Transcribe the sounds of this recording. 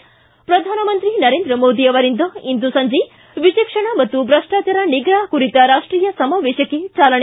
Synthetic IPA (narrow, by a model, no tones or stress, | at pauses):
pɾɐd̪ʱaːnɐmɐnt̪ɾinɐɾeːnd̪ɾəmoːd̪iɐʋɐɾind̪ɐind̪usɐɲd͡ʒe | ʋiʃekʂɐɳ̃ɐmɐt̪ːubɾɐʂʈaːt͡ʃɐɾaniɡɾaːɦkuɾit̪aɾaːʂʈɾiːjɐsɐmɐʋeʃjɐket͡ʃaːlɐɳ